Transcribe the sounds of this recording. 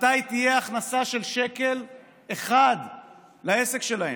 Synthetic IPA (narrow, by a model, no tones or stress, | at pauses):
t̪ajt̪ijeaχnasaʃe̞lʃeke̞l | eχad̪ | laese̞kʃe̞lahe